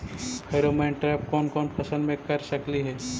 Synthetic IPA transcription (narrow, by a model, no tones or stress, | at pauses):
pʰeːɾomẽːɳʈɾɛːp̚kɔːnkɔːnpʰɐsənmẽkɐɾsɐkliɦɛː